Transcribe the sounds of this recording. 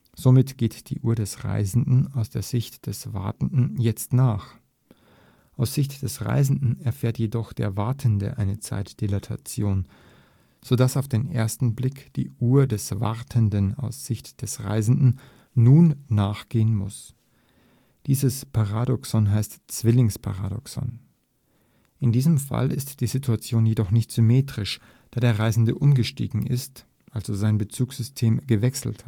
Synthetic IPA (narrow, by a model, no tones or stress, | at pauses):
z̥omɪtɡ̥eːtd̥ḭːʔuːɐdɛsʁa̰ɪzn̩dn̩aʊsd̥eːɐz̥ɪçtd̥ɛsv̥a̰ɐtn̩dn̩jɛt͡stnaːχ | ʔaʊsz̥ɪçtd̥ɛsʁa̰ɪzn̩dn̩ɛɐfeːɐtjedɔχd̥eːɐvaɐtʰəndə̰ʔaɪnət͡sa̰ɪtd̥elatʰa̰t͡sjoːn | z̥odasaʊfd̥eːnʔḛːɐstn̩blɪkd̥ḭːʔuːɐdɛsv̥a̰ʁtʰəndəna̰ʊsz̥ɪçtd̥ɛsʁa̰ɪzn̩dn̩ː | uːnːaːχɡ̥eːənmʊ̰s | d̥iːzəspʰaʁaːdɔksɔnɦaɪstt͡sv̥ɪlɪŋspʰa̰ʁa̰ːdɔ̰ksɔ̰n | ʔɪndiːzəmfa̰lʔɪ̰std̥iːzɪtʰuat͡sjoːnjedɔχnɪçtz̥ʏmeːtʁ̥ɪʃ | d̥aːdeːɐʁaɪzn̩dəʔʊnɡəʃtḭːɡŋ̩ʔɪ̰st | ʔalzozaɪnbət͡suːksz̥ʏstʰeːmɡəvɛksl̩t